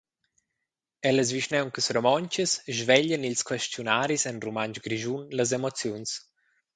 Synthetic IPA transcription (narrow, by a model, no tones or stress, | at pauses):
ɛləz̬viʃnɛwŋkəsɾomɔɲt͡ʃəsʒvɛʎənilskwɛʃtjunaːɾisɛnrumant͡ʃɡɾiʒunləz̬emot͡sjuns